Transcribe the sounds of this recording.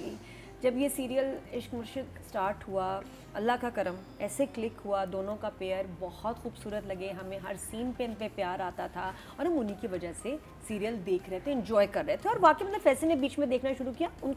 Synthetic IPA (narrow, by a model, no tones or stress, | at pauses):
i | d͡ʒɐbjesiːɾijəlɪʃkmʊɾʃɪksʈaːɾʈɦua | ɐlːakakɐɾəm | ɛːseklɪkɦuad̪oːnõkapeːəɾbɔhɔt̪xuːbsuːɾət̪lɐɡeɦɐmẽɦɐɾsiːnpẽmpepjaːɾaːt̪at̪ʰa | ɔːɾɦɐmʊnɦikiʋɐd͡ʒaɦse | siːɾijəld̪eːkʰɾɛɦt̪ʰẽɪ̃nd͡ʒɔːjkɐɾːɛɦet̪ʰeɔːɾʋɐãkebɐt̪ləbfɛːsenebiːt͡ʃmẽd̪eːkʰnaʃʊɾukijaʊn